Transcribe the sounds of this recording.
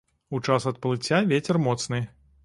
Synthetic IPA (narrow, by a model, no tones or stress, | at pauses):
ut͡ʂasɐt̪̚pɐlˠɨt͡sʲːavʲet͡sʲɛrmɔt̪snɨ